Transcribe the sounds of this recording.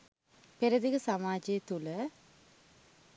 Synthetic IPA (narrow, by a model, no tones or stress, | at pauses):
peɾəd̪ikəsamaːd͡ʒet̪ulə